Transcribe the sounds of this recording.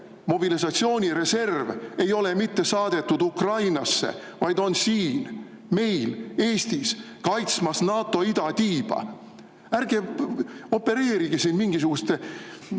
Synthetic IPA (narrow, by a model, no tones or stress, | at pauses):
mo̞bilisɑt̪sio̞ːnʲiɾe̞se̞rve̞jo̞le̞mit̪ːe̞sɑːd̪̥e̞t̪ːud̪ukrɑjnɑsːe̞̰ | vɑjd̪̥o̞nsiːn | me̞jle̞ːst̪is | kɑjt̪smɑsnɑːt̪ːˑo̞id̪̥ɑt̪iːb̥ɑ̰ | æɾɡe | o̞pːe̞ɾe̞ːɾiɡ̥esinmiŋɡis̬uɡ̥ust̪e